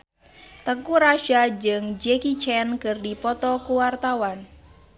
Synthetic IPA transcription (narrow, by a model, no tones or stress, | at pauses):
t̪əkuɾaʃad͡ʒɨŋd͡ʒɛkit͡ʃɛnkɨrdipɔt̪ɔkuwart̪awan